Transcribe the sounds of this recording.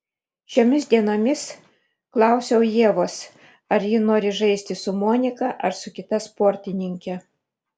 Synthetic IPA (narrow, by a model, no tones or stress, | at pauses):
ʃʲoːmʲɪsʲd̪ʲiɛnoːmʲɪs | klˠɑˑʊsʲɛʊjiɛʋoːs | ɐɾjɪnoːɾʲɪʒɐɪsʲt̪ʲɪsʊmoːnʲɪkɐʔɐɾsʊkʲɪt̪ɐspoːɾʲt̪ʲɪnʲɪŋʲkʲɛ